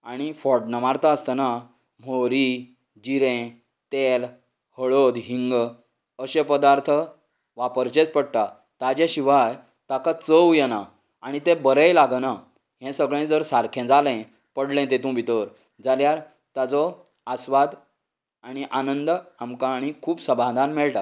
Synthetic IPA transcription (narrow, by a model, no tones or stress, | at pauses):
aɽ̃ifɔɾɖnəʋaɾt̪ʰaəst̪ana | m̤oɾi | d͡ʑiɾɛ̃ | t̪el | həɭod̪ɦiŋɡ | əɕepəd̪aɾt̪ʰə | ʋapəɾt͡ɕet͡spəɽʈ̪a | t̪ad͡ʑɛ̃ɕiʋaj | t̪akat͡səwjɛna | aɽ̃it̪ẽbəɾəjlaɡna | ɦɛ̃səɡɭẽd͡zəɾsaɾkʰɛ̃d͡zalɛ̃ | pəɽlɛ̃t̪et̪ũbit̪əɾ | d͡zaljaɾ | t̪ad͡zɔ | asʋad̪ | aɽ̃iʔanənd̪amkãːɽ̃ikʰuːpsə̃bʱãd̪ʱanmɛɭʈa